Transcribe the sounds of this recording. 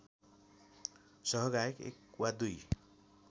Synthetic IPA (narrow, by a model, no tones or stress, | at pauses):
sʌɦʌɡaekḛkwad̪uj